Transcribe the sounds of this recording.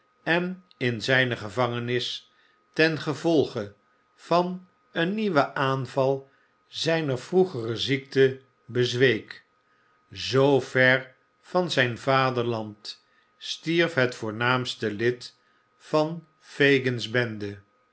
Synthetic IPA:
ɛn | ɪnzɛjnəχəvɑŋənɪs | tɛnχəvɔlˠχə | v̥ɑn | ənːiʋəʔaːnvɑlˠ | zɛjnəɹv̥ruχərəzik̚tə | bəzʋejk | zowv̥ɛɹ | v̥ɑnzɛjnvaːdəɹlɑnt | stiɹfɦɛtfʊːɹnaːmstəlɪt | fɑn | fejɡənzbɛndə

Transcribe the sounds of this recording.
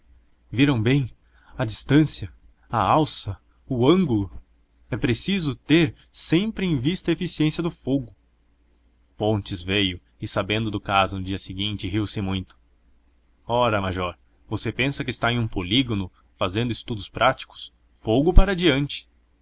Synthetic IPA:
viɾɐ̃w̃bẽj̃ | ɐd͡ʒist̪ɐ̃siɐ | ɐawsɐ | ʊɐ̃ŋɡʊlʊ | ɛpɾesizʊt̪eɾ | sẽmpɾɪẽj̃vist̪ɐefisiẽsiɐd̪ʊfoɡʊ | fõnt͡ʃɪzvejʊ | ɪsabẽnd̪ʊd̪ʊkazʊnʊd͡ʒiɐsɪɡĩnt͡ʃɪɦiwsɪmũj̃t̪ʊ̥ | ɔɾɐmaʒɔɾ | vosepẽsɐkɪst̪aẽũpoliɡonʊ | fazẽnd̪ʊɪst̪ud̪ʊspɾʔat͡ʃi̥kʊ̥s | foɡʊpaɾɐd͡ʒiɐ̃nt͡ʃɪ̥

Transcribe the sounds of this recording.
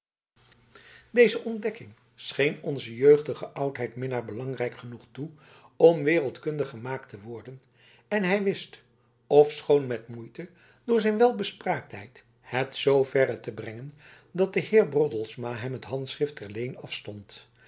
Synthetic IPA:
dejzəʔɔndɛkɪŋ | sχejnɔnzəjøɥχdəχəʔʌwtɦɛjtmɪnəɹbəlɑŋrɛjkχənuχtu | ɔmʋɪːrəlˠtkɵndəχəmaːktəʋɔɹdən | ɛnɦɛjʋɪst | ɔfsχownmɛtmujtə | d̥ʊːɹzɛjnʋɛlˠbəspraːk̚tɦɛ̰jt | hɛtsowvɛɾətəbrɛŋən | dɑt̚dəhɪːɹbrɔtəl̩ˠsmaːɦɛmətɦɑntsχrɪftɛɹlejnɑfstɔnt

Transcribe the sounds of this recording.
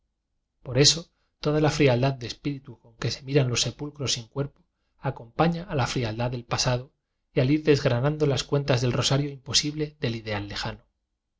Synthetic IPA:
po̞ɾe̞so̞ | t̪o̞ðalafɾiald̪aðd̪e̞spiɾit̪uko̞ŋke̞se̞miɾanlo̞sːe̞pulkɾo̞siŋkwe̞ɾpo | ako̞mpaɲaːlafɾiald̪aðe̞lpasaðo | jaliɾðe̞zɣɾanãnd̪o̞laskwe̞nt̪azðelro̞saɾjo̞impo̞siβle̞ðe̞lið̞e̞alːe̞xano

